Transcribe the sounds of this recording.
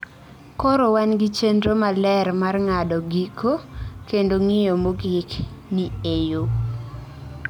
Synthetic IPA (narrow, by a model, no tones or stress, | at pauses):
kɔɾowanɡit͡ʃendɾomalɛrmarŋadɔɡikʰokendoŋɪjomoɡɪkniejo